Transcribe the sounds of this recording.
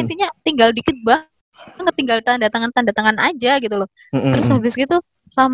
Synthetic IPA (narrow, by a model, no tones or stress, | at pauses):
int̪iɲat̪iŋɡaldikɪt̪̚ba | ŋkət̪iŋɡalt̪andat̪aŋant̪andat̪aŋanad͡ʒaɡit̪ulɔh | t̪əɾʊshabɪsɡit̪u | sam